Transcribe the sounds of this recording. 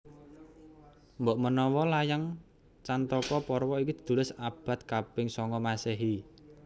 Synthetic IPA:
mbɔʔmənɔwɔlajaŋ | t͡ʃant̪ɔkɔpɔrwɔikid̪̥i̤̥d̪̥ulɪsab̥a̤t̪̚kapɪŋsɔŋkɔmasɛɦi

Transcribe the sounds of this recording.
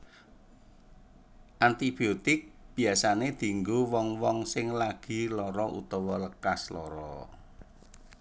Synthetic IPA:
ʔant̪ib̥iot̪ɪk̚b̥i̤asaned̪̥i̤ŋɡowɔŋwɔŋsɪŋlaɡ̥i̤lɔɾɔʔṵt̪ɔwɔləkaslɔɾɔ

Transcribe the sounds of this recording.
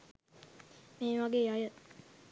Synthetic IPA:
meːʋaɡejajə

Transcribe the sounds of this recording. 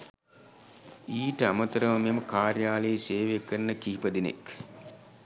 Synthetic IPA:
iːʈəamɐt̪ɐɾəʋɐmeməkaːrjaːleseːʋekəɾnəkiɦipɐd̪inḛk

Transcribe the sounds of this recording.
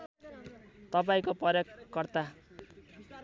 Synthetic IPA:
t̪ʌp̬aĩkopʌɾjʌkːʌrt̪a

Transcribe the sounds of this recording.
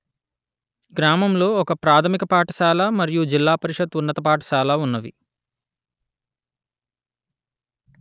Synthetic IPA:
ɡɾaːmɐmlo̞ːɔkɐpɾaːt̪ʰɐmikɐpaːʈɐ̥saːlamɐɾijud͡ʒilːaːpɐɾiʂɐd̪unːɐt̪ɐpaːʈɐ̥saːlaːunːɐʋḭ

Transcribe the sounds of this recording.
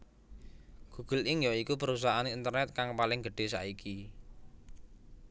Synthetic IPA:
ɡ̥uɡ̥əlʔɪŋjoikupəɾus̬aɦaneint̪ərnɛt̪̚kaŋpalɪŋɡə̤ɖ̥e̤sa̰iki

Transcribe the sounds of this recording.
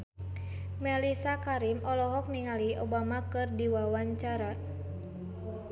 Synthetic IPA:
mɛlisakaɾimɔlɔɦɔk̚niŋaliobamakɨrdiwawaɲt͡ʃaɾa

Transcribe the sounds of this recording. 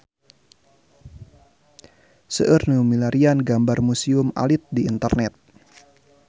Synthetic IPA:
səʔərnumilaɾianɡambarmusiʊma̰lɪt̪̚diːnt̪ərnɛt̪̚

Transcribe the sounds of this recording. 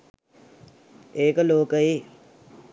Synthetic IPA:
eːkəloːkəje

